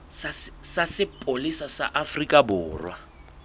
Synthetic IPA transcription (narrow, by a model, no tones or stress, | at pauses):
sassasɪpʼolisasa̰ʔafrikʼabʊːrwa